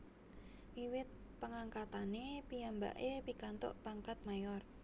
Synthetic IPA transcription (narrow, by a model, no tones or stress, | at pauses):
wiwɪt̪̚ | pəŋaŋkat̪anepiamba̰ʔepikant̪ɔ̰ʔpaŋkat̪̚majɔr